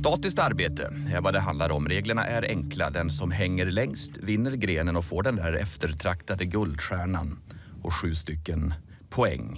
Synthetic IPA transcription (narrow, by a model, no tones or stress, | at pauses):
st̪ɑːt̪ɪsk̚t̪aɾbeːt̪ə̰ɛɾvad̪ɛɦand̪laɾɔmɾeːɡləɳa̰ʔæɾɛŋkla̰d̪ɛnsɔmɦɛŋːəɾlɛŋst̪vɪnːəɾɡɾeːnənɔfoːɖɛnd̪æːɾɛ̰ft̪əɾt̪ʰɾakt̪ad̪əɡɵld̪ɧæːɳa̰n | ɔɧʉ̟ːst̪ʏkːən | pʰɔɛ̰ŋː